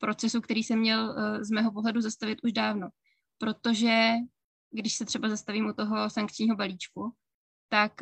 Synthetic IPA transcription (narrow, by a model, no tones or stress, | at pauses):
pɾʔo̞t͡sɛsuk̚t̪ɛɾiːsɛmːɲɛlzmɛːɦo̞p̬o̞ɦlɛduzast̪avɪt̪ʔuʒdaːvno̞ | pɾo̞t̪o̞ʒɛ | ɡdɪʃsɛt̪r̥ɛbazast̪aviːmʔut̪o̞ɦo̞saŋkt͡ʃɲiːɦo̞baliːt͡ʃku | t̪ak